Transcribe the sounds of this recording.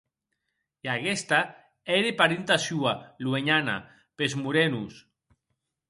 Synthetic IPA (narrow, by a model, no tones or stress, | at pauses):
iaɣest̪a | eɾepaɾint̪asualweɲana̰ | pezmuɾenus